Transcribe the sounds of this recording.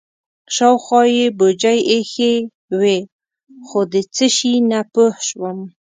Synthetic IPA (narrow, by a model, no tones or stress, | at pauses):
ʃɑwxwɑjebod͡ʒajexe | we | xod̪ət͡səʃinapəhʃwəm